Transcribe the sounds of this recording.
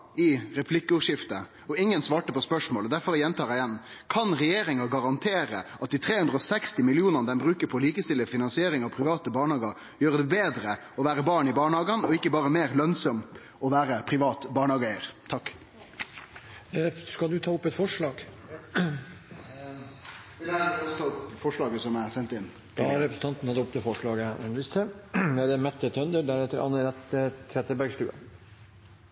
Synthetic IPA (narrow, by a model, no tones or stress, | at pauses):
ɪɾɛpʰlɪkːəʉːʂɪft̪ə | ɔɪŋːənsʋɑːʈəpɔspœʂmoːləd̪æɾfɔɾjɛnt̪ʰɑːɾɪjɛnːkʰɑnɾɛjeːɾɪŋɑɡɑɾɑnt̪ʰeːɾəʔɑt̪̚d̪ɪt̪ʰɾeːʉnd̪ɾəɔsɛkst̪ɪmɪlɪuːnənəd̪ɛmbɾʉːkəpʰɔliːkəst̪ɪləfɪnɑnsɪeːɾɪŋɑʋpʰɾɪʋɑːt̪əbɑːɳhɑːɡɑɾ | jøːɾəd̪ɛbeːd̪ɾə | ɔʋæːɾəbɑːɳɪbɑːɳhɑːɡɑnɔɪkːəbɑːɾəmeːɾlœnsɔm | ʔɔʋæːɾəpʰɾɪʋɑːt̪bɑːɳəhɑːɡæɪɾt̪ʰɑkː | skɑld̪ʉt̪ʰɑːʊpːɛt̪fɔʂɭɑːɡ | ʋɪæɔst̪ʰɑːpfɔʂɭɑːɡəsɔmæɾsɛnt̪ɪn | d̪̥ɑɾɛpɾəsən̩t̪ɑnt̪n̩hɑd̪əʊp̚ːd̪ɛfɔʂɭɑːɡəɛnʋɪst̪əd̪æd̪ɛmɛt̪ːət̪ʰœnd̪əd̪æɾɛt̪ːəɾʔɑ̰nːəɾɛt̪ət̪ʰɾɛt̪əbæɾɡst̪ʉ̰ːɑ̰